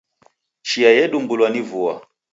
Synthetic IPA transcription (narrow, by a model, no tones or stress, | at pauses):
t͡ʃiajɛɗumbulwanivua̰